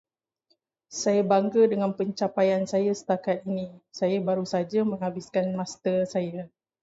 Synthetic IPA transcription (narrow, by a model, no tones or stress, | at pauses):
sajabaŋɡədəŋanpəɲt͡ʃapajansajasə̥t̪akat̪̚inisajabaɾusad͡ʒamə̃ŋɦabiskanmast̪ərsaja